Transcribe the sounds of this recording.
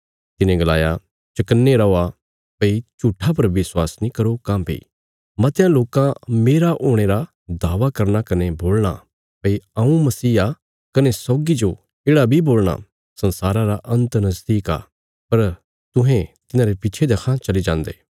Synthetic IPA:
t̪ɪnẽɡɐla̰ːja̰ | t͡ʃɐkənːeɾɐoːa | pɐit͡ʃuːʈʰːap̬ɐɾʋɪswaːsnĩkɐɾokãːbʱḭḭː | mɐt̪ejãloːkãmeːɾaʔoːɽ̃eɾa | d̪aːʋakɐɾnakɐneboːlɽ̃a̰ | pɐiaũmɐsiːa | kɐnesɔːɡid͡ʒo | eːɽabʱiboːlɽ̃a̰ | sɐnsaːɾãɾaʔɐ̃nt̪nɐzd̪iːka̰ː | pɐɾ | t̪ʊ̃ɦẽt̪ɪnãːɾepit͡ʃʰed̪ekʰãt͡ʃɐlid͡ʒãːnd̪ḛː

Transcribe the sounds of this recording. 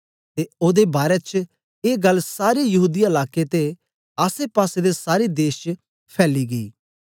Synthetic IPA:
t̪eoːd̪ebaːɾet͡ʃ | eːɡɐlsaːɾejɐɦuːd̪iɪlaːket̪e | aːsepaːsed̪esaːɾid̪eːʃt͡ʃ | pʰɛːliɡɐḭː

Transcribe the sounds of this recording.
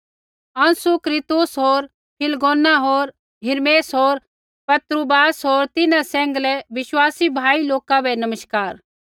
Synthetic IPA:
ɐ̃nsukɾɪt̪ʊsɦoːɾ | pʰɪlɡoːnaɦoːɾ | ɦɪɾmeːsɦoːɾ | pɐt̪ɾubaːsɦoːɾt̪ɪnãsɛ̃ːŋɡlɛʋɪʃwaːsibʱaːiloːkabɛnɐməʃkaːɾ

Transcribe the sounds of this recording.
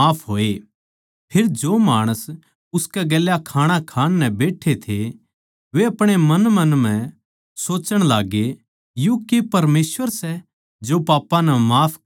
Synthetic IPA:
aːpʰɦoːe | pʰeɾd͡ʒoːmaːɽ̃əs | ʊskɛɡɛːljakʰaːɽ̃ãkʰaːnːɛbeːʈʰet̪ʰe | ʋeɐpɽ̃emɐnmɐnm̤ɛ̃ | soːt͡ʃəɽ̃laːɡe | jũkepɐɾmeːsʋəɾsɛ | d͡ʒopaːpːãnɛmaːpʰ

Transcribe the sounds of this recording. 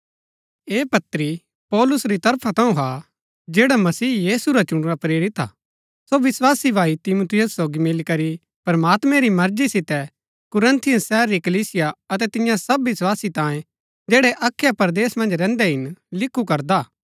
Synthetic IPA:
eːpɐt̪ːɾi | pɔːlʊsɾit̪ɐɾpʰat̪ɐ̃ũɦa | d͡ʒeːɽamɐsiːjiːsuɾat͡ʃʊɽ̃ɾapɾeːɾɪt̪a̰ | soʋɪswaːsibʱaːit̪ɪmut̪ʰɪjʊsːoːɡimɪlkɐɾi | pɐɾmaːt̪mɛ̃ɾimɐɾd͡ʒisɪt̪ɛ | kʊɾə̃nt̪ʰɪjʊsːɛːɾːikɐliːsɪjaɐt̪ɛt̪ɪjãsɐbʋɪswaːsit̪ãːjẽ | d͡ʒeːɽɛʔɐkʰːjapɐɾd̪eːsmɐ̃nd͡ʒɾɛ̃ːnd̪ɛɦɪnlɪkʰːukɐɾd̪aː

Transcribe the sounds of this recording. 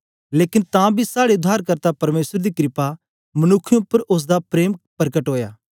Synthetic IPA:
leːkɪnt̪ãːbʱisaːɽeʊd̪ʱːaːɾkɐɾt̪apɐɾmeːsəɾd̪ikɾɪpa | mɐnʊkʰːɪjõpːəɾʔʊs̬d̪apɾeːmpɐɾkəʈɦoːjaː

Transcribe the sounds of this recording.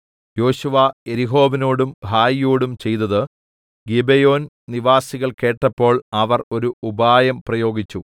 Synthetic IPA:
jo̞ːɕuʋɐe̞ɾiɦo̞ːbino̞ːɽumbaːjjoːɽumt͡ɕe̞jt̪ɐðɨ | ɡibejo̞ːn | niʋaːsiɣɐɭke̞ːʈːɐpːo̞ːɭɐʋɐro̞ɾuubaːjɐmprɐjo̞ːɡit͡ɕːu

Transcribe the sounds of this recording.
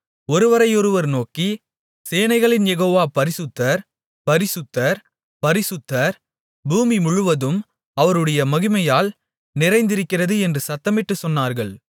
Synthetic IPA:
ɔɾɯʋɐɾɐɪɔɾɯʋɐɾnoːki | seːnɐɪɣɐɭɪnjɛɣoːʋaːpɐɾɪsɯt̪ːɐɾ | pɐɾɪsɯt̪ːɐɾ | pɐɾɪsɯt̪ːɐɾ | buːmimʊɻɯʋɐðɯm | ɐʋɐɾɯɽɐjɐmɐɣɪmɐjaːl | nɪɾɐɪnd̪ɪɾɯkːɪrɐðɯɛndrɯsɐt̪ːɐmɪʈːɯsɔnːaːɾɣɐɭ

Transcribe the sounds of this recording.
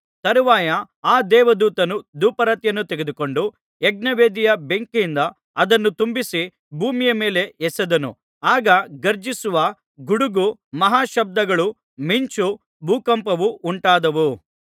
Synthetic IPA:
t̪ɐɾuʋaːjɐ | aːd̪ɛːʋɐd̪uːt̪ɐnud̪uːpɐɾɐt̪jɐnːut̪eɡe̞d̪uko̞ɳɖu | ɛɡ̚nɐʋeːd̪ijɐbe̞ŋkind̪ɐ | ɐd̪ɐnːut̪umbisi | bʱuːmijɐmeːle̞ɛsɐd̪ɐnṵ | aːɡɐɡɐɾd͡ʒisuʋɐ | ɡuɽuɡumɐɦaːʃɐb̚d̪ɐɡɐɭu | miɲt͡ʃu | bʱuːkɐmpɐʋuʔuɳʈaːd̪ɐʋu

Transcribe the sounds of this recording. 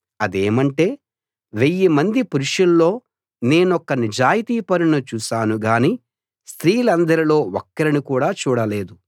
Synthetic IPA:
ɐd̪e̞ːmɐɳʈe̞ː | ʋejːimɐnd̪ipuɾuʂɐlːo̞ː | ne̞ːnɔkːɐnid͡ʒaːjit̪iːpɐɾunɐt͡ʃuːʃaːnuɡaːniː | st̪ɾiːlɐnd̪ɐɾilo̞ːɔkːɐɾinikuːɽaːt͡ʃuːɽɐle̞ːd̪u

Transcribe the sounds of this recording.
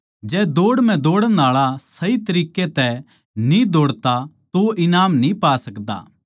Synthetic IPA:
d͡ʒɛːd̪oːɽmɛ̃d̪oːɽəaːɭasɐit̪ɐɾiːket̪ɛ | nĩd̪oːɽt̪at̪oʔɪnaːmnĩpaːsɐkd̪a̰ː

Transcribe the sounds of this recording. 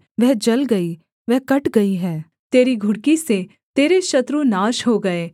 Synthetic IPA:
ʋɛɦd͡ʒɐlɡɐi | ʋɛɦkɐʈɡɐiɦɛː | t̪eːɾiɡʱʊɽkise | t̪eːɾeʃɐt̪ɾunaːʃɦoɡɐeː

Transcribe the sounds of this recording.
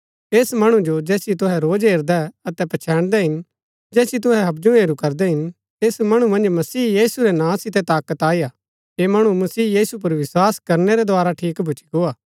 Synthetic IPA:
eːsmɐɽ̃ũd͡ʒod͡ʒɛːsit̪̬ʊɦɛɾoːd͡ʒɦeːɾd̪ɛɐt̪ɛpɐt͡ʃʰɛːɽ̃d̪ɛɦɪn | d͡ʒɛːsit̪̬ʊɦɛɦɐbd͡ʒũeːɾukɐɾd̪ɛɦɪn | eːsmɐɽ̃umɐ̃nd͡ʒmɐsiːjiːsuɾɛnãːsɪt̪ɛt̪aːkət̪aːijaː | eːmɐɽ̃umɐsiːjiːsup̬ɐɾʋɪswaːskɐɾnɛɾɛd̪oaːɾaʈʰiːkbʱʊt͡ʃiɡoːaː

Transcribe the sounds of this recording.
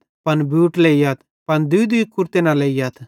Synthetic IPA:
pɐnbjuːʈleːijaːt̪ | pɐnd̪ʊid̪ʊikːʊɾt̪enaleːjaːt̪ʰ

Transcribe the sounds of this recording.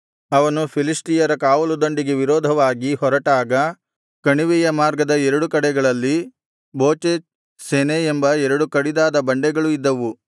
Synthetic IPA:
ɐʋɐnupʰilisʈijɐɾɐkaːʋɐlud̪oɳɖiɡeʋiɾɔːd̪ʱɐʋaːɡihɔɾɐʈaːɡɐ | kɐɳiʋɛjɐmaːɾɡɐd̪ɐɛɾɐɽukɐɽɛɡɐɭɐlːi | boːt͡ʃeːt͡ʃ | seneembɐɛɾɐɽukɐɽid̪aːd̪ɐbɐɳɖɛɡɐɭuid̪ːɐʋu

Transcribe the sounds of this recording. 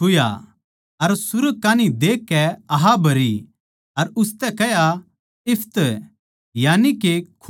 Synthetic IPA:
ʊja̰ | ɐɾsʊɾəkːaːnid̪eːkːɛɐɦabʱɐɾi | ɐɾʊst̪ɛkɛja | ɪpʰt̪ | jaːnikekʰ

